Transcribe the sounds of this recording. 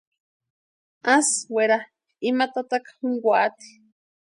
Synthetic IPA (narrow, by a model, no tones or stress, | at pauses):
asweɾa | imat̪at̪akḁhuŋɡʷaʔat̪i̥